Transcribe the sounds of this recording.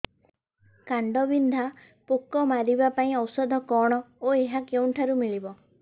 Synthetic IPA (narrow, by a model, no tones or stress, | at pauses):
kaɳɖɔbind̪ʱa | pukɔmaɾibapaĩɔwsɔd̪ʱɔkɔɽ̃ɔoeɦakew̃ɳʈʰaɾumiɭibɔ